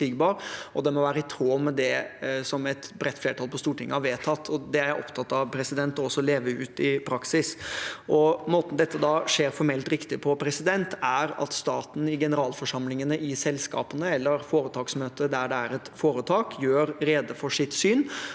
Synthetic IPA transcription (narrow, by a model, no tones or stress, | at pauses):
iɡbɑːɾɔd̪ɛmɔʋæːɾəɪt̪ʰɾoːmːɛd̪ɛsɔmɛt̪bɾɛt̪ːfleːʈʰɑlpʰɔst̪uːʈʰɪŋːəhɑɾʋeːt̪ʰɑt̪ʰːɔd̪ɛæɾjæɪʔɔ̰pt̪ʰɑt̪ːɑʋpʰɾɛsɪd̪ɛnt̪ɔɔsːɔleːʋəʉ̰ːt̪ɪpʰɾɑksɪsʔɔmoːt̪n̩d̪ɛt̪ːəd̪ɑʂeːɾfɔɾmɛlt̪ɾɪkt̪ɪpʰɔpʰɾɛsɪd̪ɛnt̪æɾɑ̰t̪st̪ɑːt̪n̩ɪɡɛnəɾɑːlfɔʂɑmlɪŋənəʔɪsɛlskɑ̰ːpənəɛlːəɾfoːɾət̪ʰɑːksmøːt̪əd̪æɖɛæɾɛt̪foːɾət̪ʰɑːkʰjøːɾɾeːd̪əfɔʂɪt̪syːn